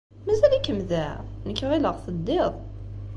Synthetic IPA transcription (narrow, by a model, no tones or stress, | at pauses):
mæzælikːəmðænəkːəʁiləʁθəd̪ːeðˤ